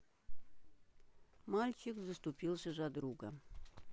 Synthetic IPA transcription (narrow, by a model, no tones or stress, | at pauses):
malʲt͡ɕɪkzəst̪upʲilˠʒəʒɑd̪ɾuɡə